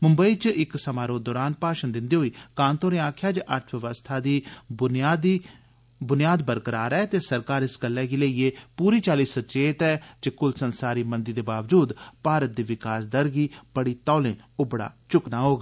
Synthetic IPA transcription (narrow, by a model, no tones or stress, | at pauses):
mʊmbəiːt͡ʃɪksəmaːɾõːd̪ɔːɾaːnpaːʃənd̪ɪnd̪iːɦoːiːkaːnt̪oːɾẽːãːkʰjaːd͡ʒʔəɾt̪ʰʋɪʋəst̪ʰaːd̪iː | d̪i | bʊnɪjaːd̪bəɾkəɾaːɾɛːt̪eːsəɾkaːɾɪsɡəlːɛːɡiːleiːeːpuːɾiːt͡ʃaːliːsətt͡ʃeːt̪ɛːd͡ʒeːkʊlsənsaːɾiːmənd̪ɪiːd̪eːbaːʋd͡ʒuːd̪paːɾət̪̚d̪iːʋɪkaːsd̪əɾɡiːb̥əɽiːt̪ɔːlẽːʊbəɽa̰ːt͡ʃʊknaːɦoːɡaː